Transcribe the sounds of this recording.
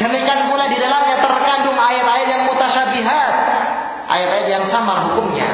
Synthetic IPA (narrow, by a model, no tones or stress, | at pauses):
d̥əmikanpuladidalamɛt̪ərkandʊŋaɪɾaɪrjaŋpot̪aʃabiɦat̪̚ | ʔa̰ɪɾaɪrjaŋsamarɦukʊmɲa̰